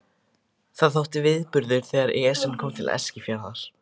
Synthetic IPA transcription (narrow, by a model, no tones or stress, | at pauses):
θaðθowht̪ɪvɪðpʏɾðʏɾ̥θɛːɣaɾɛsɛnkʰɔːmt̪ʰɪlɛ̰scɪfjɛːɾaθaɾ̥